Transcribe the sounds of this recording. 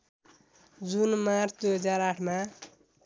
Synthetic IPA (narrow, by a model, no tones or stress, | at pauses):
d͡zunmard̪ujɦʌd͡zaɾaʈʰma